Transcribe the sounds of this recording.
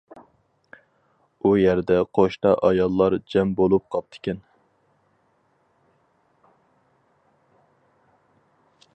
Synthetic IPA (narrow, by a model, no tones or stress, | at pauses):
ujɛɾd̪ɛqʰoʃt̪ɑʔɑjɑlˠːɑɾd͡ʒɛmbolˠup̚qʰɑp̚t̪ʰɪ̥kʲɛn